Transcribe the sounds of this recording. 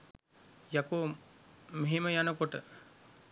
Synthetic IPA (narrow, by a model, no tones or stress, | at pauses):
jakoː | meɦeməjanəkoʈə̰